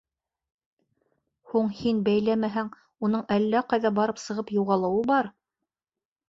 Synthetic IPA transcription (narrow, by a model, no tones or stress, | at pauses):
huɴhinbæjlæmæɦæŋ | unɤɴʔælːæqɑjðɑbɑɾɤpsɤ̆ʁɤpjuʁɑlˠɤ̆wɤbɑɾ